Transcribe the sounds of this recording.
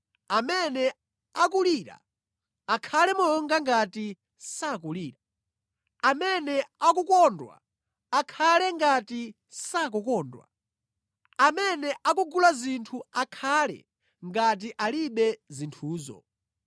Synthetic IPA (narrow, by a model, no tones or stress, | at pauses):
amɛnɛ | akuliːɾa̰ | akʰalɛmɔɔŋɡaŋɡati | sak̬uliːɾa | amɛnɛak̬ukɔndwa̰ | akʰalɛŋɡati | sak̬ukɔːndwa̰ | amɛnɛʔak̬uɡulazintʰuakʰaːlɛ̰ | ŋɡat̬iʔaliɓɛzintʰuːzɔ̰